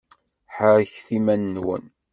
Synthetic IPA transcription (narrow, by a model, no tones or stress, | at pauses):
ħəɾçθimænːwə̰n